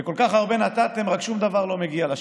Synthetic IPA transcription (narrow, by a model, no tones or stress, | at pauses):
eko̞lkaχaʁbe̞nat̪at̪e̞mʁakʃumd̪avaʁlo̞meɡiala